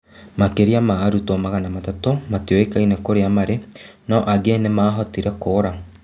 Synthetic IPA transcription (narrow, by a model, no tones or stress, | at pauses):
makeɾiamaːɾutɔmaɣanamatatomatioekainekoɾeamaɾenaɔʔaɡenemaːɦɔtiɾɛkoːɾa